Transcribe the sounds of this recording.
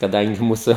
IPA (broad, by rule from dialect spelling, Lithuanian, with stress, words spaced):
kɐˈdɐŋʲɡʲɪ ˈmuːsʊ